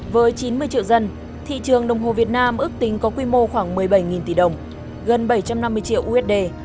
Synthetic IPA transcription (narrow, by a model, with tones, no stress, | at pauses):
vəː˨˦jt͡ɕi˨˦nmɨ˧əjt͡ɕḭ˧˨wzə˧n | t̪ʰḭ˧˨t͡ɕɨ˨˩əŋɗə˨˩wŋ͡mɦo˨˩vi˨˩ət̚naː˧mʔɨ˦˥ək̚t̪ï˨˦ŋ̟kɔ˨˦kwi˧mo˧xwaː˧˩ŋmɨ˨˩əjɓa˧˩jŋi˨˩nt̪i˧˩ɗə˨˩wŋ͡m | ɣə˨˩nɓə˧˩jt͡ɕa˧mna˧mːɨ˧əjt͡ɕḭ˧˨əwʔu˧ʔɛ˦˥t̚ɗe˧